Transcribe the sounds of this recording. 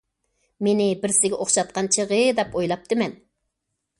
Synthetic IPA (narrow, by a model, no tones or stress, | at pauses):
menɪbɪɾsɪɡʲɛʔoχʃɑt̪̚qɑnt͡ʃʰiʁəd̪ɛpojlˠɑp̚t̪ʰɨmɛn